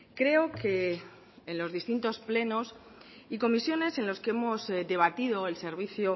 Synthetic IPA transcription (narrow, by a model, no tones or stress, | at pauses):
kɾe̞okeː | nlo̞zðist̪int̪o̞sple̞no̞s | iko̞misjo̞ne̞se̞nlo̞skee̞mo̞zd̪e̞β̞at̪iðo̞else̞ɾβ̞iθjo